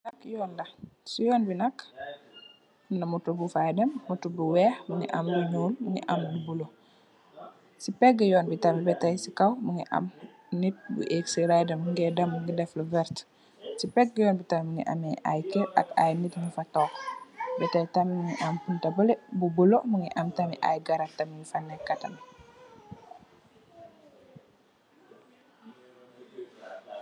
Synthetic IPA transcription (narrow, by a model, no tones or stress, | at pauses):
nɐkjɔːndɐsujɔːnbinɐk | nɐmutubufajdɐmːutubuwɛːxmuŋɡḭʔɐ̰mluɲuːlmuŋḭʔamlubulo | sipɛɡɡɐjɔːnbitamibɛtajsikawmuŋɡiʔɐ̰m | nit̚bṵʔeksiɾajdɐmːuŋɡɛdɐmːuŋɡidɛfluvɛɾt | sipɛk̚ɡɐjɔːnbitɐmiməŋḭʔɐ̰mɛja̰jkɛʔɐ̰ka̰jnitŋifɐtɔːkbɛtɐjtɐmiməŋiʔɐmpuntɐbəlebubəloʔməŋɡiʔɐmtɐmiʔa̰jɡɐɾɐtːɐmiŋifɐnːɛkɐtɐ̰n